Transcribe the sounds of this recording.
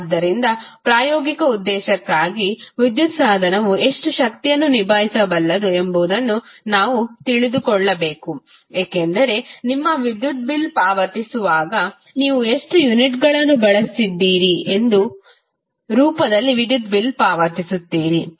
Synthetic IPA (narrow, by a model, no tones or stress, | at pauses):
d̪ːɐɾind̪ɐpɾaːjɔːɡikɐud̪ːɛːʃɐkːaːɡiʋid̪jut̪saːd̪ʱɐnɐʋue̞ʂʈuʃɐkt̪ijɐnːunibʱaːɦisɐbɐlːɐd̪ue̞mboːd̪ɐnːunaːʋut̪iɭid̪ukɔɭːɐbeːkueːkend̪ɐɾe̞nimːɐʋid̪jut̪̚bilpaːʋɐt̪isuʋaːɡɐ | niːʋue̞ʂʈujuniʈɡɐɭɐnːubɐɭɐsid̪ːiːɾie̞nd̪u | ɾuːpɐd̪ɐlːiʋid̪jut̪̚bilpaːʋɐt̪isut̪ːiːɾi